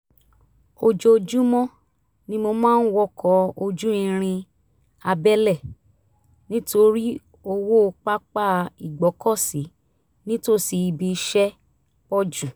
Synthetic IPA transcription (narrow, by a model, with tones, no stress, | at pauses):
o˧d͡ʒo˧d͡ʒu˦mɔ̃˦ | nĩ˦mo˧mãː˦n̩˦wɔ˧kʰɔ˨˦o˧d͡ʒũ˦ĩ˧ɾ̃ĩ˧ | a˧bɛ˦lɛ˦˨ | nĩ˦to˧ɾi˦ | o˧wo˦˧k͡pa˦k͡pa˦˨i˨ɡ͡bɔ˨˦kɔ˦˨si˨˦ | nĩ˦to˦˨si˧bi˧˦ʃɛ˦ | pɔ˦d͡ʒu˦˨